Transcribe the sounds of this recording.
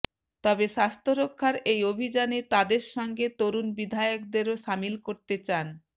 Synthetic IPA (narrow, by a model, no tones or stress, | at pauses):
t̪ɔbeʃast̪ʰoɾokʰːaɾejobʱid͡ʑanet̪ad̪eɾʃɔŋɡet̪oɾunbid̪ʱaeokd̪eɾoʃamilkoɾt̪et͡ɕan